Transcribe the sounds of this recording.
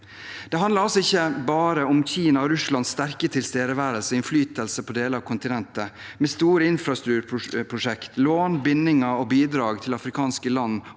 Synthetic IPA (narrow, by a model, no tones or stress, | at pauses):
d̪̥ɛɦɑnləɾɑlsɔɪçːəbɑːɾəɔmçiːnɑɔɾʉslɑnsst̪æɾkət̪ʰɪlst̪eːd̪əʋæːɾəlsəɪnflyːt̪əlsəpʰɔd̪eːləɾɑʋkʰʊnt̪ɪnɛnt̪əmeːst̪uːɾəɪnfɾɑst̪ɾʉːɾʰʊpʰɾʊʂɛkt̪loːnbɪnːɪŋəɔbiːd̪ɾɑːɡt̪ʰɪlɑfɾɪkʰɑːnskəlɑnː